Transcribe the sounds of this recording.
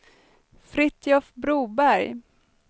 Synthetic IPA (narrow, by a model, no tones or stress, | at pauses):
fɾɪt̪ʰjɔfbɾuːbæɾj